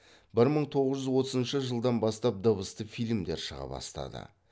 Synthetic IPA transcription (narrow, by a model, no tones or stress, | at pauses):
bɪɾməɴt̪ʰo̞ʁəzʒʏzwo̞t̪ʰəzənʃəʒəlˠd̪ɑnbɑst̪ɑp̚d̪əβəst̪əfijlʲmd̪e̞ɾʃəʁɑ̰bɑ̰st̪ɑ̰d̪ə̰